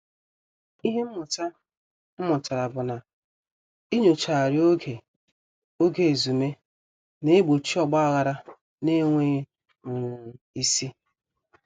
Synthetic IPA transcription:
i˦ɦe˦m̩˦mʊ˨t͡ʃa˦ | m̩˦mʊ˨ta˨ɾa˨bʊ˨na˨ | i˦ɲo˨t͡ʃa˨ɾjo˦ɡe˨ | o˦ɡe˨e˨zu˨me˦ | ne˦ɡ͡bo˨t͡ʃi˦ɔ˨ɡ͡ba˦a˦ɣa˨ɾa˦ | ne˦ŋʷe˦ | ʊ˨ŋ˨ | i˦si˦

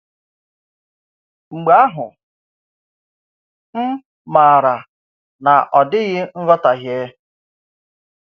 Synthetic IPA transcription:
ŋ͡m̩˨ɡ͡ba˦a˦ɦʊ̰˨ | m̩˦ | ma˨ɾa˨ | na˨ʔɔ˨dɪ˦ɣɪ˦n̩˦ɣɔ˦ta˨ɣje˦

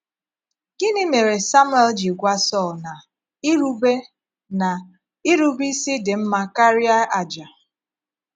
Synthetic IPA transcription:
ɡ̥i˦nɪ˦me˨ɾe˨sa˦mwe˦ld͡ʒi˨ɡʷa˦sɔ˦˨lna˨ | i˦ɾu˦be˦ | na˨ | i˦ɾu˦bi˦si˦dɪ˨m̩˦ma˦ka˦ɾja˦a˨d͡ʒa˨

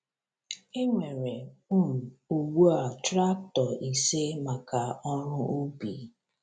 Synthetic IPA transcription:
e˦ŋʷe˨ɾe˨ʊ˦m̩˨u˨wu˦a˨tɾa˦k̚tɔ˨ʔi˨se˦ma˨ka˨ɔ˦ɾʊ˦o˦bi˨

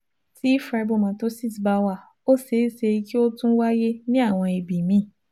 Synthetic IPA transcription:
ti˦fɾa˧˦˧bo˦˨mã˨to˦si˦˨sba˧wa˦˨ | o˦se˨˦˨se˧i˧ki˦o˦tũ˦wa˦je˦nĩ˦a˦˨w̃ɔ̃˧e˨bi˨mĩ˦˨

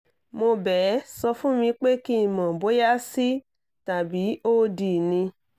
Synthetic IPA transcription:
mo˧bɛ˨˦sɔ˧fũ˦mĩ˧k͡pe˦ki˦˨mã˨bo˨˦ja˦si˦ | ta˨bi˨˦oː˦di˨nĩ˧

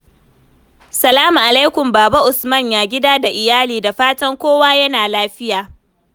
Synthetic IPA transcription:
sɐ˨laː˦mu˨ʔa˨la˦jkʷʊ˨mbaː˨ba˦ʔʊ˨smɐ˦˨ɲjaː˨ɡʲɪ˦daː˦da˨ʔɪ˨jaː˦liː˨da˨ɸaː˦tɐ˦ŋkʷoː˦waː˦jɐ˦naː˨laː˦ɸɪ˦jaː˨

